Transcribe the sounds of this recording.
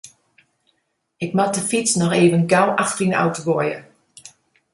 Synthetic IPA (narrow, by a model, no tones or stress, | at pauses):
ɪkmat̚dəfitsnɔxeːvənɡawʔaxtrina̰wtəʋɔjə̰